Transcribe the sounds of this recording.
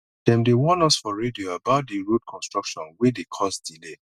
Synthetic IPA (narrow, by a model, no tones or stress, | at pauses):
d̥ɛ̃mdewɔ̃nasfɔɹedioabaʊt̚deɹud̚kʰɔ̃nstɹ̥ɔkʃɔ̃nwedekʰɔsdile